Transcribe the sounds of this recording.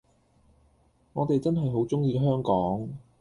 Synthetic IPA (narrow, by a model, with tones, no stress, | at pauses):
ŋɔː˨˧t̪e˨jt͡sɐ˥nɦɐ˨jɦo˨˥wt͡sʊ˥ŋjiː˧kɛ˧˥ɦœː˥ŋkɔː˨˥ŋ